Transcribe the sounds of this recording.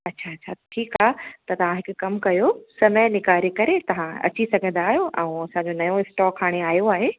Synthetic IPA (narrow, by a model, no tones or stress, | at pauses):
ɐtːɕʰaɐtt͡ɕʰaʈʰiːkaːɦt̪ɐt̪ɐʋ̤ãɦɪkʊkɐmkɐjosɐməjnɪkaːɾekɐɾet̪ɐʋ̤ãɐ̰t͡ɕisɐɡʱə̃n̆d̪aːɦijoʔɛ̰̃ũɐsãɲd͡ʑonɐjõɪsʈɔːkʰːaːɽ̃eaːijoaːɦeː